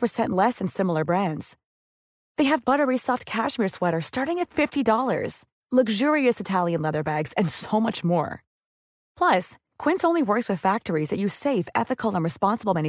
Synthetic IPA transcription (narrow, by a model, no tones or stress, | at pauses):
pə˞sɛ̃nʔlɛsɨ̃n̩sɪ̃ml̩ˠə˞bɹæ̃ndz̥ | ðeɪɨvbʌɾə˞isɔft̚kʰæʃmɪɹswɛɾə˞stɑɹɾɪ̃ŋɨtfɪftidɔlˠə̰˞z̥ | lʌɡʒʊɹiɨsɨtʰælˠjɨ̃nlɛðə˞bæɡz̥ɨ̃nsoʊmʌt͡ʃmɔ̰ɹ | pʰl̥ʌs | kʰw̥ɪ̃nsõʊ̃nliwɜ˞kswɨð̥fæk̚tə˞izðɨt͡ʃɨ̥seɪfɛ̰θɨkl̩ˠə̃nɹɨspɑ̃nsəbl̩ˠmɛ̃ni